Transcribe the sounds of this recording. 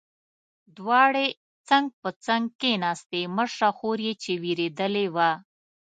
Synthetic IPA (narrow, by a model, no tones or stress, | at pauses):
d̪wɑɽe | t͡saŋɡ̚pət͡saŋɡ̚kenɑst̪eməʂaxoɾjet͡ʃewiɾed̪əlewa